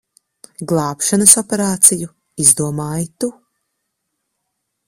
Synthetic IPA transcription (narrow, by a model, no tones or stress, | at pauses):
ɡlˠɑːpʃanɐsɔpeɾaːt̪siju | izd̪uɔmaːjit̪u